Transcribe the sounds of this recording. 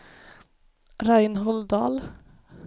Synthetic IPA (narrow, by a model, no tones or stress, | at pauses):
ɾajnɦɔld̪ɑːl